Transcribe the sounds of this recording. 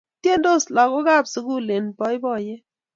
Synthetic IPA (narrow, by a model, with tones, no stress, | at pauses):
tje˦ndo˦˨sla˨ko˦ɡa˦˨bsu˦ɡu˦le˨npɔ˦ɪ˦bɔ˦˨je˦